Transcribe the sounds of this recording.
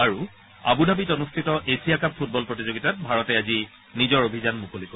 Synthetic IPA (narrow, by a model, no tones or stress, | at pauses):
aɹu | a̰budʱabitɔnustʰitɔʔesʰijakappʰːut̚bɔlpɹotizoɡitat̚bʱaɹɔtɛazi | nizɔɹobʱizanmukoliko